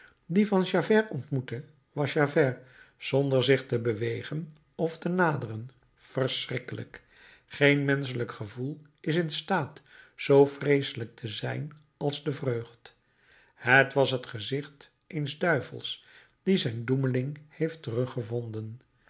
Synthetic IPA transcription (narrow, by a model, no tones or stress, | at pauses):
divɑnʃavɛɹɔntmutə | ʋɑsʃavɛɹz̥ɔndəɹzɪχtəbəʋejχən | ɔftənaːdərən | v̥ərsrɪkələ̰k | χejnmɛns̬ələkχəvulˠ | ɪsɪnstaːtzowfrejsələk̚tʰəzɛjn | ɑlˠzdəvrøːχt | hətʋɑsɦətχəzɪχt | ejnzdœɥvə̰lˠs | d̥izɛjnduməlɪŋhejftərɵχəvɔndən